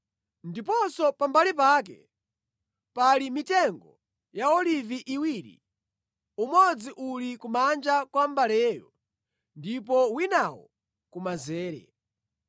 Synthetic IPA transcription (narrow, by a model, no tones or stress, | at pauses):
ndipɔsɔpambalip̬aːk̬ɛ̰ | palimitɛŋɡɔ | jaɔliviʔiwiːɾḭ | umɔd͡ziʔulikumand͡ʒakwambalɛːjɔ̰ | ndip̬ɔwinawɔ̰ | kumazɛːɾɛ̰